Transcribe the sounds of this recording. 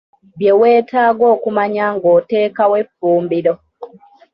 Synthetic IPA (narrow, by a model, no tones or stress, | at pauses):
βjeweːtʰaːɡo̞ːkumaɲaŋɡoːte̞ːkawe̞fːuːmbiɾo